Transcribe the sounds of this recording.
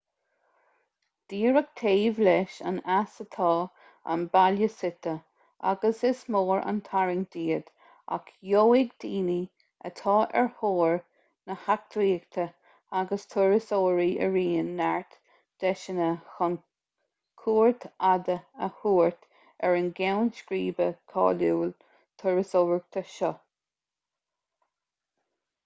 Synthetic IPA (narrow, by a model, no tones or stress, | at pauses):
d̪̥iːɹək̚t̪ʰeːvlɛʃa̰nasət̪ʰɑː | a̰nbaljəsɪt̪ə | ʔa̰ɡəsɪsmoːɹa̰nt̪ʰaɹɪŋd̪̥iːəd̪̥ | a̰kʰjoːɪɡd̪̥iːni | ə̰t̪ʰɑːʔɛ̰ɹhoːɹ | nəhak̚t̪ɾiːɡt̪ʰə | aɡəst̪ʰʊɹəsoːɹiʔə̰ɹiːnːaɹt̪ | d̪̥ɛʃənəxɔn | kʰuːɹt̪ʰad̪əəhuːɹt̪ | ɛɹənɡɛwnskɾiːbəkʰɑ̰ːluːl | t̪ʰʊɹəsoːɹɡ̚t̪ʰəʃɔ